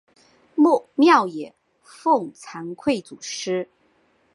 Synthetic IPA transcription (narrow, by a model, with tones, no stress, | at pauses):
mu˥˩mjɑ˥˩ʊjɛ˨˩˦ | fʊ˥˩ŋt͡sʰa˧˥ŋkʰwe˥˩ɪt͡su˨˩ʂɻ̩˥